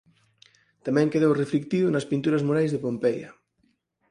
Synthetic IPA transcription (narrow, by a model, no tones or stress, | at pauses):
t̪amɛ̃ŋkeð̞owreflik̚t̪iðʊnɐspint̪uɾɐzmoɾajzðepompɛjɐ